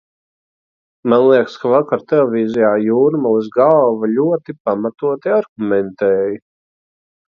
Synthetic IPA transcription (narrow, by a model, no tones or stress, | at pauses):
manlˠiɛkskavakaɾt̪elevʲiːzijaːjuːɾmalˠuzɡalˠvalʲuɔt̪ipamat̪uɔt̪iaɾɡumɛnt̪ɛːji